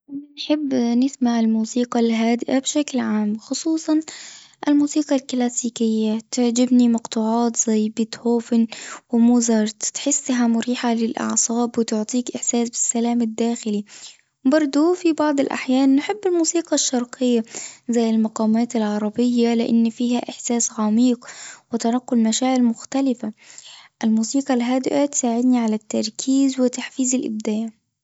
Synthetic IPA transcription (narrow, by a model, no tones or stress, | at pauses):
anħɪbːnɪsmaʕɪlmuːsiːqɑlɦaːd̪ɪʔabʃaklʕaːmxʊsˤuːsˤɑnʔɪlmuːsiːqɑlklaːsiːkɪjːat̪ɪʕd͡ʒɪbnimɑqt̪ˤʊʕɑːt̪z̥ajːbɪt̪hoːfɪnwɪmuːzɑɾˤt̪t̪ħɪsːɦamʊɾiːħalɪlʔɑ̰ʕsˤɑːbwɪt̪ʊʕt̪ˤiːkʔɪħsaːsbɪ̥sːalaːmɪd̪ːaːxɪli | bɑɾˤd̪ˤufibɑʕd̪ˤɪlʔa̰ħjaːnːħɪbːɪlmuːsiːqɑʃːɑɾˤqʰɪjːazajːɪlmɑqɑːmaːt̪alʕɑɾˤɑbɪjːalɪʔa̰nːfiːhaʔɪħsaːsɣamiːqwɪt̪ɑnɑqːʊlmaʃaːʕɪlmʊxt̪alɪfaʔalmuːsiːqɑlɦad̪ɪʔat̪saːʕɪd̪niʕalat̪ːɑɾˤkʰiːzwɪt̪aħfiːzɪlʔɪ̰b̚d̪aːʕ